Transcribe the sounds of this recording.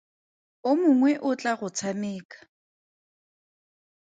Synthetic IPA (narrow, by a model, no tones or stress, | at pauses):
ʊmʊŋwɛʔʊt͡ɬʼaɣʊt͡sʰameːkḁ